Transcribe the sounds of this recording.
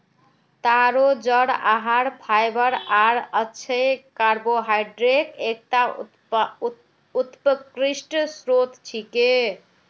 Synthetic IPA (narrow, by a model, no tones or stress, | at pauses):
t̪aɾod͡ʒəɽa̰ɦaɾpʰajbəɾaɾətːt͡ʃʰəjkaɾboɦajɖɾekek̚t̪a | ut̪pəkɾisʈsɾot̪t͡ʃʰike